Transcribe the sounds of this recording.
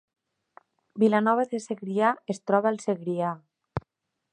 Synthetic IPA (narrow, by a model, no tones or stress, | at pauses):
bilanɔβaðeseɣɾiaest̪ɾɔβaːlˠseɣɾia